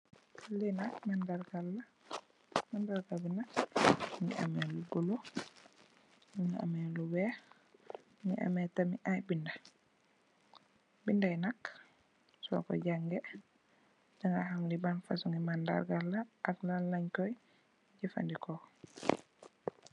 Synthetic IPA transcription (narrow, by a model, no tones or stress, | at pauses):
linak̚mandaɾɡalːa | mandaɾɡabinakɲḭʔa̰mɛlubulu | nuɲia̰mɛluwɛh | ɲḭʔa̰mɛtamiʔajbinda | bindajnak | sɔ̰kɔ̰ɟaŋɡɛ | daŋɡahamlibanfasuŋimanda̰ɾɡalːaʔaklalːaɲkɔj | ɟifa̰ndikɔ